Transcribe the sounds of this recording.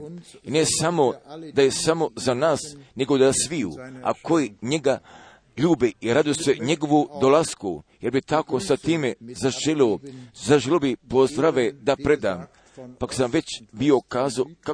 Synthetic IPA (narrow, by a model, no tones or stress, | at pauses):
ine̞samo̞d̪ajesamo̞zanaːsne̞ɡod̪asʋijṵa̰ko̞jiɲe̞ɡa | ʎuːbeiɾad̪ujeseɲe̞ɡo̞ʋud̪olaskṵjeɾbit̪akosat̪iːmezaʒeliozaʒelobipo̞zd̪ɾaʋed̪apɾe̞d̪aːm | pako̥samʋe̞t͡ɕbio̞kaːzaoka